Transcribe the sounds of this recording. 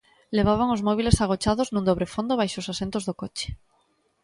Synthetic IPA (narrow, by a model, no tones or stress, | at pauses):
le̞β̞aβ̞aŋozmoβ̞ile̞saɣ̞ot͡ʃaðoznũnd̪oβ̞ɾefond̪oβajʃosasent̪ozðokot͡ʃe̥